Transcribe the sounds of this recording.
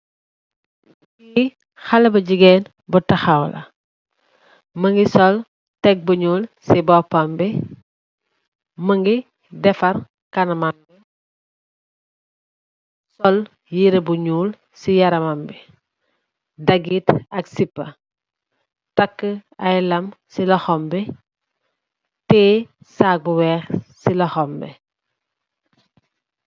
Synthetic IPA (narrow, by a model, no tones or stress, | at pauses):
biː | xɐlɐbɐɟiɡɛn | butɐxawlɐ̰ | məŋɡisɔl | tɛɡ̚buɲuːlsibɔpːɐmbɛ | məŋɡi | dɛfɐr | kɐnɐmanbi | sɔl | jiɾebuɲuːl | sijɐɾɐmɐmbɛ | dɐɡitɐksipːɐ̰ | tɐkːəɐjlɐmsilɔxɔmbɛ | tɛːsaːk̚buwɛːxsilɔxɔmbɛ̰